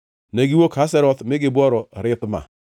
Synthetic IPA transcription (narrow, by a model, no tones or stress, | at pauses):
neɡiwokʰas̬ɛɾɔt̪mɪɡɪbwɔɾɔɾɪtma̰